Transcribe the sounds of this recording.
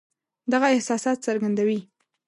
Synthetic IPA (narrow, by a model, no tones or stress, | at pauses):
d̪aɣaɪhsɑsɑt̪̚saɾɡand̪awi